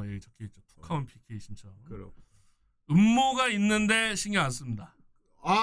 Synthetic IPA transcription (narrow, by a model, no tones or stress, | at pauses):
jeɡet͡ɕʌk͈ʰeet͡ɕ͈opʰu̥kʰaunpʰikʰeɕʰint͡ɕʰʌo̰ | ɯmːoɡainːɯnde̞ɕʰiŋians͈ɯmɲida | a